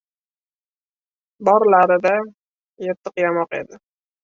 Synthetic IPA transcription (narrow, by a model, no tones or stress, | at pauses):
bɒɾlaɾɪd̪a | jet̪ʰːɨqjamɒqe̞̰d̪ɪ